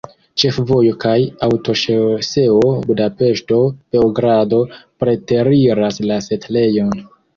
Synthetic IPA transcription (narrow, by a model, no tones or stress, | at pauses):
t͡ʃe̞fvo̞jo̞kajawto̞ʃese̞obudape̞ʃto̞b̥e̞oɡɾado̞pɾe̞te̞ɾiɾaslase̞tle̞jo̞n